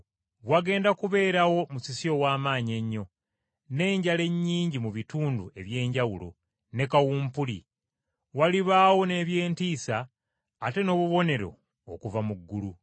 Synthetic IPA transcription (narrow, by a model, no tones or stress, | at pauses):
βwaɡe̞ːndakuβe̞ːɾawo̞musisio̞waːmaːɲe̞ɲːo̞ | ne̞ːɲɟale̞ɲːiːɲɟimuβituːndue̞βje̞ːɲɟawulo̞̰ | ne̞kawuːmpulḭ | waliβaːwo̞ne̞βje̞ːntiːsaː | te̞no̞ːβuβo̞ne̞ɾo̞̰ː | kuvamuɡːulu